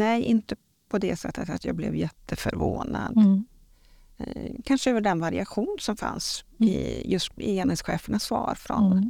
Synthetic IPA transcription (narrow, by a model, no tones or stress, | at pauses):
nɛjʔɪnt̪ə | pʰɔd̪ɛsɛt̪ːət̪at̪jɑːɡblɛ̰vjɛt̪ʰːəfœɾvoːnad̪ | kʰanʂəɛvɑɖɛnvaɾɪaɧuːnsɔmfa̰nsɪjɵst̪ɪeːnhesɧeːfəɳasvɑːɾfɾɔn